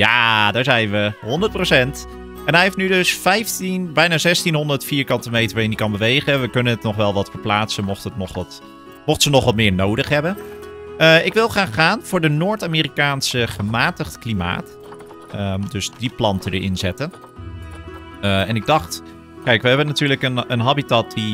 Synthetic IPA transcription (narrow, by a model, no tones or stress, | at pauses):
jaːdaːɹzɛjnʋəɦɔndət̚prowsɛnt | ɛnɦɛjɦɪftnydɵsfɛjftinbɛjnaːzɛstinɦɔndəɹtfiːɹkɑntəmejtəɹʋaːɪndikɑnbəʋejχəʋəkɵnənətnɔχʋɛlˠʋɑtfəɹplaːtsənmɔχtətnɔχɑt | mɔχtsənɔχʋɑt̚mɪːɹnowdəχɦɛbənəɪkʋɪlˠχraːχχaːnv̥ʊːɹdənoːɹtaːmiːɾikaːnsəχəmaːtəχtklima̰ːt | ədɵsdiplɑntədə̰ɹʔɪ̰nzɛtən | əɛnɪɡ̚dɑχt | kɛjkʋəɦɛbənatyːɹləkənənɦɑbitat̚di